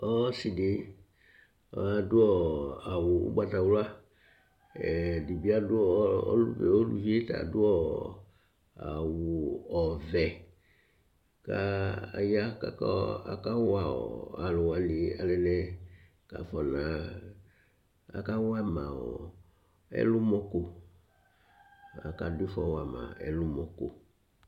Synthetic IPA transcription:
ɔ˦si˨de˨˦ | ɔ˨a˨dʊ˦ɔ˦˨a˨wʊ˨ṵ˦ɡ͡ba˨ta˨wlʊ˦a˦ | ɛ˨di˨bi˦a˦dʊ˦ɔ˦ɔ̰˦lṵ˦bɛ̰˨o˦lṵ˦vi˦e˦ta̰˨dʊ˦ɔ˦ | a̰˨wu˨ɔ˨vɛ˨ | ka̰˦˨ja˦ka˨kɔ˦a̰˨ka˦wa˦˨ɔ̰˨a˨lʊ˨wa˨ni˨a˨lɛ˨nɛ˦ | ka̰˨fɔ˨nã˨ | a̰˨ka˦wa˦mã˨ɔ˨ | ɛ̰˦lʊ˦mɔ˦ko˦ | a̰˨ka˨di˦fɔ̰˨wa˨mã̰˨ɛ̰˨lʊ˦mɔ˨ko˨

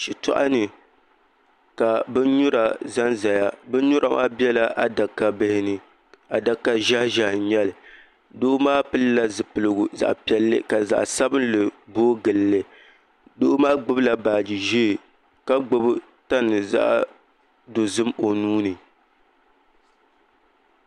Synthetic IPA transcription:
ʃi˨tɔ̰˦ʔa˦nɨ˨ | ka˨bɨ˦n˦ɲʊ˦ɾa˨za˦nza˨ja˦bɨ˦n˦ɲʊ˦ɾʔa˨mʔa̰ː˦bi˦ɛ˦la˦ʔa˨da˨kːa˦bɨ˦hɪ˦nɨ˦ | a˨da˨kːa˦ʒa˦hʒa˨˦ɲɛ˦lɨ˨ | do˦ʔʊ˦maː˦pɨ˦lla˦zɨ˨pɨ˨lɨ˨ɡu˨za̰˨ʔpɛ˦lːɨ̰˦ka˨za̰˨ʔsa˦bɨ˦nlɨ˨boː˦ɡɨ˨lːɨ˦ | dʊ˦ʔʊ˦maː˦ɡ͡bʊ˦bla˦˨baː˨d͡ʒi˨ʒi˦˨ | ka˦ɡ͡bo˨bɨ˦ | ta˦nɨ˨za̰˦ʔ | do˨zɨ˦mo˨nuː˦nɨ˨

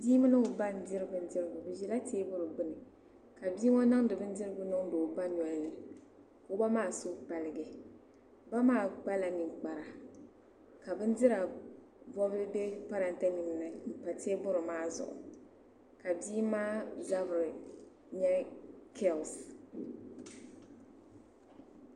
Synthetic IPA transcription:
biː˦mɨ˦nɨ˦ʊ˨ba˦n˨dɪ˦ɾɨ˦bɨ˨n˦dɪ˦ɾɨ˦˨bʊ˨bɨ˨ʒi˦la˦teː˦bʊ˦ɾɨ˨bɨ˦nɨ˨ | ka˨bi˦ŋɔ˦na˦ŋ˦dɨ˨bɨ˦n˦dɪ˦ɾɨ˦bʊ˦nʊ˦ŋdo˨ba˦n˨a˨jɛ˦ | ʊ˦ba˦maː˦˨soː˦k͡pa˨lɨ˨ɡɛ˨ | ba˦maː˦˨ɡ͡ba˦la˨nɪ˨ŋk͡pa˨ɾa˨ | ka˨bɨ˦n˦dɪ˦ɾa˨ | bɔ˦bɪ˦be˦pa˦ɾa˦n˦ta˦nɪ˨m˦nɨ˦m̩˨pa˨te˦bʊ˦ɾɨ˨maː˦zʊ̰˨ʔʊ̰˨ | ka˨biː˦maː˦za˦bɨ˨ɾɪ˨ | ɲɛ˦kʰɛ˦˨ls

